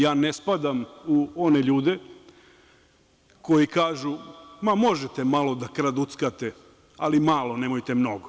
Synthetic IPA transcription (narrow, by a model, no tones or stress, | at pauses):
jaːnespad̪amuo̞neʎuːd̪e̞ | ko̞jikaːʒumamo̞ʒet̪emalo̞d̪akɾad̪ut̪skat̪e | alimalˠo̞nemojt̪e̞mno̞ɡo